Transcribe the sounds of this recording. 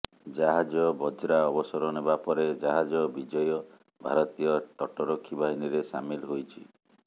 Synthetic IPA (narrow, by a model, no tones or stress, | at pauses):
d͡ʒaɦad͡ʒɔbɔd͡ʒɾaɔbɔsɔɾɔnebapɔɾed͡ʒaɦad͡ʒɔbid͡ʒɔjɔ | bʱa̰ɾɔt̪ijɔt̪ɔʈɔɾokʰːibʱaɦiniɾesa̰milɦojt͡ʃʰi